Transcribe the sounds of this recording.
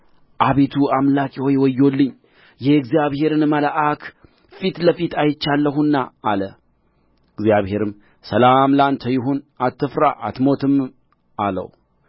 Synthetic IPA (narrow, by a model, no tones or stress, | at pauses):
ʔaβet̪ʰuamlakʼihojwɔjːo̞lːɨɲː | jɛɨɡzijaβhe̞ɾɨnməlaʔakʰ | fit̪ləfit̪ʰajɪt͡ʃːalːəɦunːaːlə | ɨɡzijaβhe̞ɾɨm | səlamlant̪ʰəjɪɦonat̪ʰːɨfɾaʔat̪mo̞t̪ʰɨm | ʔalə̰w